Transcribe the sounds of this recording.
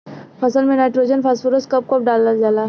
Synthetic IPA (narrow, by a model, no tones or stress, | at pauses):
pʰɐsəlmẽnaːɪʈɾoːd͡ʒənpʰasfoɾoskɐp̚kɐp̚ɖaːlad͡ʒaːlaː